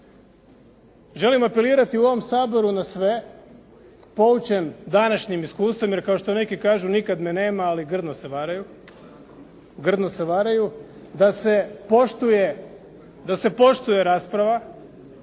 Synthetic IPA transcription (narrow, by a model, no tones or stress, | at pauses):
ʒe̞limape̞liːɾat̪iuo̞ʋo̞msaːbo̞ɾunasʋe̞ | po̞ut͡ɕend̪anaʃɲimiskuːst̪ʋo̞mje̞ɾkao̞ʃt̪o̞ne̞kikaːʒunikad̪mene̞ːmaːliɡr̩d̪noseʋaɾaju | ɡr̩d̪nose̞ʋaːɾaju | d̪asepoʃt̪uje | d̪ase̞po̞ʃt̪uje̞ɾaːspɾaʋa